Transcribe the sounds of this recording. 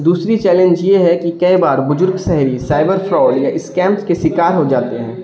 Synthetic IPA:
d̪uːsɾit͡ʃɛːlẽnd͡ʒjeɦɛkikɐibaːɾbʊzʊɾɡʃɛɦɾisaːɪbəɾfʰɾɔːɖjaʔɪskɛ̃ːmpskesɪkaːɾɦod͡ʒaːt̪eɦɛ̰̃ː

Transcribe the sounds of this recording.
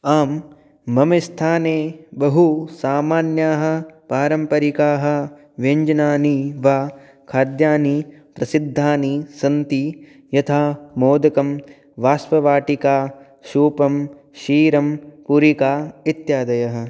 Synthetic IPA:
aːmː | ɐmɐst̪ʰaːneːbɐɦusaːmaːnjaːɦɐ̆paːɾɐmpɐɾikaːɦɐ̆ | ʋeɲd͡ʒɐnaːniʋaː | kʰaːɾd̪jaːnipɾɐsid̪ʱːaːnisɐnt̪i | jɐt̪ʰaːmoːd̪ɐkɐm | ʋaːsʋɐʋaːʈikaː | ʃuːpɐm | ʃiːɾɐmpuɾikaːit̪jaːd̪ɐjɐɦɐ̆

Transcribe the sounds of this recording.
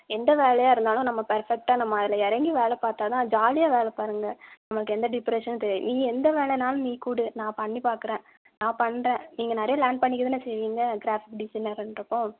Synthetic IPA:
ɛnd̪ɐʋeːlɐjaːɪɾɯnd̪aːlʊ̃nɐmːɐpɐɾfɛk̚ʈaːnɐmːɐɐðɪlɐɛɾɐŋɡiʋeːlɛpaːɾt̪aːt̪ãːd͡ʒaːlɪjaːʋeːlɛpaːɾɯŋɡɐnɐmːɐɭɯkːɯɛnd̪ɐɖɪpɾɛʂɐnːt̪ɛɾɪʋḭnĩːɛnd̪ɐʋeːlɛnaːlɯ̃niːkuːɽɯnãːpɐɳːipaːɾkɯɾẽː | nãːpɐɳːɾẽːniːŋɡɐnɛɾɐjɐlaːɳɖ̚pɐɳːɪkːɐðɯnːɯsɛjʋiːŋɡɐɡɪɾaːfɪkɖɪsɐɪnɐɾɛnɾɐpːõː

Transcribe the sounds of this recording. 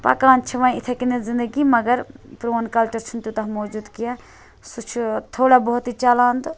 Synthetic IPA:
pɐ̰kãːnt͡ʃʰɐʋãĩɪt̪ʰekinezɪ̃nd̪əɡimɐɡəɾpɾoːnkɐlt͡ʃɐɾt͡ʃʰunt̪jut̪ɐɦmoːd͡ʒuːd̪kijã | sut͡ʃʰt̪ʰoːɽaboɦʊt̪it͡ʃalaːnd̪

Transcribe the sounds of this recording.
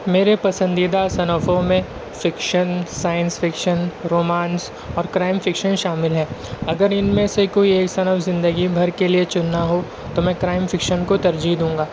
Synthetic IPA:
meːɾepɐsə̃nd̪id̪asɐnəfõmẽ | fɪkʃənsaːjə̃nsfɪkʃənɾoːmaːns | ɔːɾkɾaːɪmfɪkʃənʃaːmɪlɦɛːɐɡəɾɪnmẽsekoːieːksɐnəfzɪ̃nd̪əɡibʱɐɾkeliet͡ʃʊnːaɦo | t̪omɛ̃ːkɾaːɪmfɪkʃənkot̪ɐɾd͡ʒiɦd̪ũːŋɡaː

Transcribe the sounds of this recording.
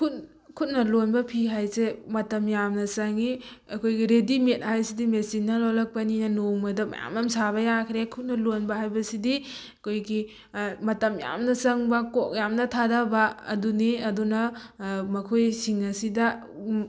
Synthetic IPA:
kʰut | kʰut̚nɐlonbɐpʰiɦajsemɐtɐmjamnɐsaŋi | ɐkʰojɡiɾedimet̚hajsidimesinːɐlɔlɐk̚pɐninɐnuŋmɐdɐmɐ̰ja̰mɐmsaβɐjakʰɾekʰut̚nɐlonbɐɦajbɐsidiɐkʰojɡi | mɐtɐmja̰mnɐsɐŋbɐkɔk̚jamnɐtʰadaba̰ːduniɐdunɐmɐkʰojsiŋɐsidɐ

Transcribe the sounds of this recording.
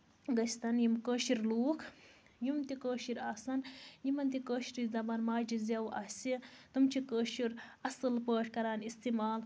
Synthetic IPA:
ɡɐst̪ɐnjimkəːʃiɾluːkʰ | jumt̪ikəːʃiɾasɐnjimɐnt̪ikəːʃiɾizɐbɐnmaːd͡ʒizɐwʔɐːsit̪umt͡ʃʰikəːʃiɾɐsɨlpəːʈʰkɐɾaːnist̪imaːl

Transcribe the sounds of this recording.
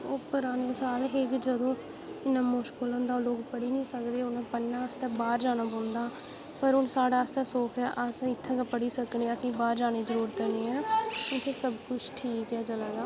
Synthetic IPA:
oːpʊɾaːneːsaːlɦekd͡ʒəd̪õː | ɪnãːmʊʃkolõːnd̪aːloːkpəɽiːnĩːsəkd̪eːʊnãːpənːãːst̪ɛ̃ːbaːɾd͡ʒaːnaːbõːnd̪aː | pəɾʊnsaːɽaːəst̪ɛ̃ːsoːkʰɛːʔəsɪt̪ʰːẽːkːpəɽiːsəkneːəsĩːbaːɾd͡ʒaːneːzəɾuːɾt̪əɾneːɛːɪt̪ʰːeːsəbkʊt͡ʃʰʈʰiːkɛːt͡ʃəlaːd̪aː

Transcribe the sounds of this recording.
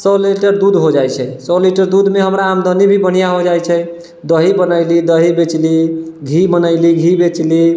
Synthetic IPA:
sɔliʈəɾd̪ud̪ɦod͡ʒajt͡ʃʰɛsɔliʈəɾd̪ud̪ʱmeɦəmɾaːmd̪ʱənibʱibəɽ̤ijaɦod͡ʒajt͡ʃʰɛj | d̪əɦibənəjlid̪əɦibet͡ʃliɡʱimənəɪliɡʱibet͡ʃli

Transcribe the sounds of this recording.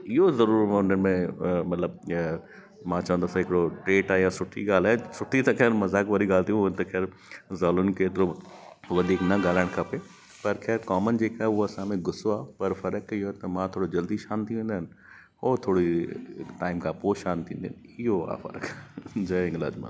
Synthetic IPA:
ɪɦozɐɾuːɾʊn̤ənɪ̆mẽmɐt̪ləb̚ | mãːt͡ɕɐʋə̃nd̪aːsãɦɪkɪɽoʈɾeːʈaːjãsʊʈʰḭɠaːl̤aːesʊʈʰit̪ɐkʰɛːɾmɐzaːkʋaːɾiɠaːlt̪ijũnt̪ɐkʰɛːɾ | zaːlʊnɪ̆keːt̪ɪɾo | ʋɐd̪ʱiːknɐɡaːlaːɪɽ̃kʰape | pɐɾxʰɛːɾkaːmənɪ̆d͡ʑeːkaːɦeʊɦoɐsãmẽɡʊsoaːpɐɾfɐɾəkioɦet̪ɐmãt̪ʰoːɽod͡ʑɐld̪iʃaːnt̪ʰiʋẽːn̆d̪əɦɪnɪ̆ | oːt̪ʰoːɽiʈaːɪmkʰãpoːʃaːnt̪ʰĩːnd̪ɪnɪɦoa̰ːfɐ̰ɾəkd͡ʑɐɪ̃ŋɡla̰ːd͡ʑma̰ː

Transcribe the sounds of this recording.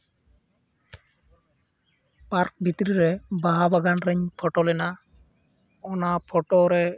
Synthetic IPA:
paɾk̚bʱit̪ɾiɾɛbaɦabaɡanɾɛɲpʰɔʈɔlɛna | ɔnapʰɔʈɔɾɛ

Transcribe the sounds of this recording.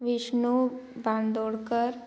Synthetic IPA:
ʋɪʃnubãnd̪oːɽkəɾ

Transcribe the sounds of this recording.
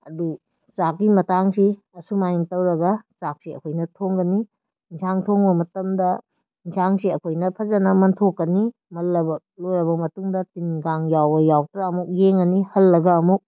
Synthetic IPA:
ɐ̰du | sak̚ːimɐtaŋsi | ɐsumajiŋtɐwɾɐɡɐsak̚siɐ̰kʰojnɐtʰoŋɡɐni | nsʰaŋtʰoŋbɐmɐtɐmdɐ | insʰaŋsiɐkʰojnɐpʰɐzɐnɐmɐntʰokːɐni | mɐlːɐbɐ | loɾɐbɐmɐtuŋdɐtinɡaŋjawbɐjawtɾaɐmuk̚jeŋɐnihɐlːɐɡɐːmuk̚

